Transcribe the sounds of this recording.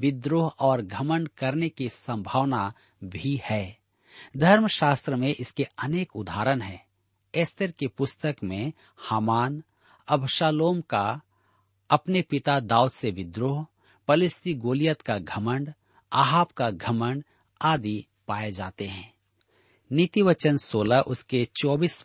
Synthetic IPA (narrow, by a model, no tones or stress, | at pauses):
ʋɪd̪ɾoːɦɔːɾɡʱɐmə̃ɳɖkɐɾnekisə̃mbʱaʋna | bʱihɛː | d̪ʱɐɾmʃaːst̪ɾəmẽʔɪskeɐneːkʊd̪ʱaːɾənɦɛː | eːst̪əɾkepʊst̪əkmẽ | haːmaːn | ɐbʱʃaːloːmka | ɐpnepɪt̪ad̪aːʊd̪seʋɪd̪ɾoːɦ | pɐlɪst̪iɡoːlijət̪kaɡʱɐmə̃ɳɖ | aːɦaːpkaɡʱɐmə̃ɳɖ | aːd̪i | paːed͡ʒa̰ːt̪eɦɛ̃ː | nɪt̪iʋət͡ʃənsoːlaʔʊsket͡ʃɔːbiːs